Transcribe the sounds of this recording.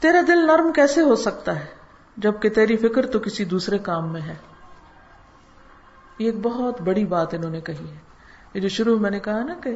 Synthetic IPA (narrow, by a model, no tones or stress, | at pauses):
t̪eːɾad̪ɪlnɐɾmkɛːseɦosɐk̚t̪aɦɛː | d͡ʒɐb̚ket̪eːɾifɪkəɾt̪okɪsid̪uːsɾekaːmːẽɦɛː | jeːk̚bɐɦɔt̪bɐɽibaːt̪ɪnɦõːnekɐɦiɦɛː | jed͡ʒoʃʊɾuɦmɛ̃ːnekɐɦanɐke